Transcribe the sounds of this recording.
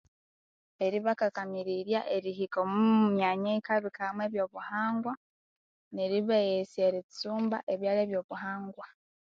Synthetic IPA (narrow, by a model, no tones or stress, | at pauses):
e̞ɾiβakakamiɾiɾjaʔeɾiɦikomumjaɲeikaβikamwe̞ːβjo̞ːβuhaːŋɡwa | neɾiβejesieɾit͡suːmba̰ʔeβjaːle̞ːβjo̞ːβuhaːŋɡwa